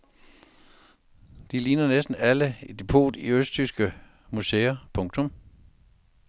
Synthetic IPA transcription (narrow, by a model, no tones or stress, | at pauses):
d̥iliːnɐnesd̥n̩æləed̥epʰo̝̰ːd̥iøsd̥ʰysɡ̥ə | museːɐpʰɔ̽ŋt͡sʰɔ̽m